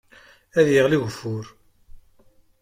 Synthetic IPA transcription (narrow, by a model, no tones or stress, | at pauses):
æðjiʁliʝəfːʊɾ